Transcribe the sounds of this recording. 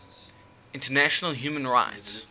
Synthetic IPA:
ɪ̃ntənæʃənəlˠɦjʉːmə̃nɹa̰ɪts

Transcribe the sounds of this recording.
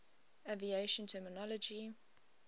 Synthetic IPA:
avieʃə̃ntʰɛːmɪnɔlɔd͡ʒi

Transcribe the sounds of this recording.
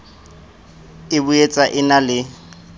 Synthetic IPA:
ɪbuet͡sʼaʔɪnalɪ

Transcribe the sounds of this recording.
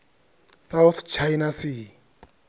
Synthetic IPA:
sawθt͡ʃʰajnasi

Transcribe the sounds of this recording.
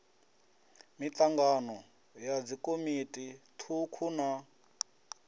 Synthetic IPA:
mit͡ɬaŋɡanɔ | jad͡zikʼomitʼitʰukʰuna

